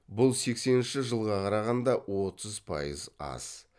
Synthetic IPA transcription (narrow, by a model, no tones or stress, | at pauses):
bʊlˠse̞kse̞nɪnʃɪʒəlˠʁɑqʰɑɾɑʁɑnd̪ɑwo̞t̪ʰəzpʰɑ̰jə̰zɑ̰s